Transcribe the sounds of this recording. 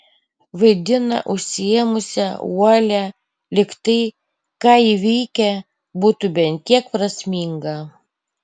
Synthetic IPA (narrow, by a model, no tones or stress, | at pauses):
ʋɐɪd̪ʲɪnɐ̰ʔʊʃʲsʲɪɛmʊsʲɛuɔlʲæ | lʲɪkt̪ɐɪ | kɑːiʋʲɛɪkʲɛ | buːt̪ʊbʲɛnʲtk̪ʲiɛk̚pɾɐsʲmʲiːŋɡɐ